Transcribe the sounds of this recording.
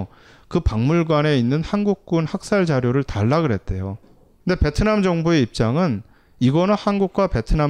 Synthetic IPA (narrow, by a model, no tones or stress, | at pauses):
kɯpaŋmuɭɡwane̞inːɯnhanɡuk̚k͈unhak̚s͈aɭd͡ʑaɾjoɾɯɭtaɭːaɡɯɭɦe̞t̚t͈e̞jo | knde̞pe̞tʰɯnamd͡ʑʌŋbue̞ip̚t͡ɕ͈aŋɯn | iɡʌnɯnhanɡuk̚k͈wape̞tʰɯna